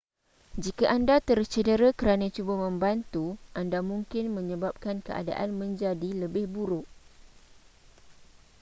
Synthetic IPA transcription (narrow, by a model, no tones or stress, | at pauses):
d͡ʒikaʔandat̪ərt͡ʃədəɾakəɾanãt͡ʃubamə̃mbant̪uʔandamũŋkɪnmə̃ɲə̃bap̚kankəʔa̰da̰ʔanmə̃ɲd͡ʒadiləbɪhbuɾʊʔ